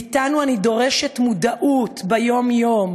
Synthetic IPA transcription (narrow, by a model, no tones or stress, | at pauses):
t̪anuanid̪o̞ʁe̞ʃetmudaʔutbejo̞mjo̞m